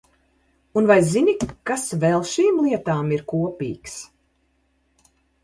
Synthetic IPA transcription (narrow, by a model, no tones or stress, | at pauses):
unvajzinʲikasvɛlˠʃiːmlˠiɛt̪aːmiɾkuɔpʲḭːks